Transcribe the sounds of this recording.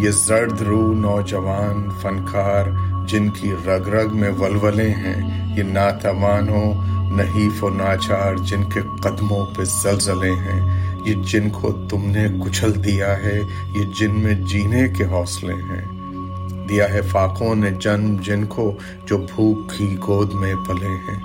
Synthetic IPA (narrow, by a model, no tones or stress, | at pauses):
jezɐɾd̪ɾuːnɔːd͡ʒəʋaːnfɐnkaːɾd͡ʒɪnkiɾɐɡɾəɡmẽʋɐlʋəlẽɦɛ̰̃ː | jenaːt̪əʋaːnõnɐɦiːfoːnaːt͡ʃaːɾd͡ʒɪnkeqɐd̪mõpezɐlzəleɦɛ̃jed͡ʒɪnkʰo̰t̪ʊmnekʊt͡ʃʰəld̪ijaɦɛ | jed͡ʒɪnmẽd͡ʒiːnekeɦɔːslḛ̃ɦɛ̰̃ː | d̪ijaɦɛfaːqõned͡ʒɐnmd͡ʒɪnko | d͡ʒoːbʱuːkː | iɡoːd̪mẽpɐleɦɛ̰̃ː